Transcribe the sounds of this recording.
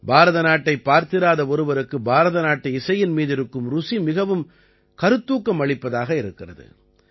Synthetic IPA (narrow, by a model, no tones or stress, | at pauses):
baːɾɐðɐnaːʈːɐɪpːaːɾt̪ɪɾaːðɐɔɾɯʋɐɾɯkːɯbaːɾɐðɐnaːʈːɯɪsɐjɪnmiːðɪɾɯkːɯmɾʊsimɪɣɐʋɯm | kɐɾɯt̪ːuːkːɐmɐɭɪpːɐðaːɣɐɪɾɯkːɪrɐðɯ̰